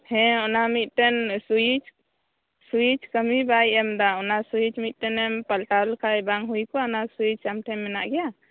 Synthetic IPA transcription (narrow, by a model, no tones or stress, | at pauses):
hɛ̃ɔnamit̪̚ˀt̪ɛnsuit͡ʃ | suit͡ʃkəmibajɛmd̪aɔnasuit͡ʃmit̪̚ˀt̪ɛnɛmpəlʈalkʰajbaŋɦujkɔɔnasuit͡ʃamʈʰɛmɛnaʔɡɛja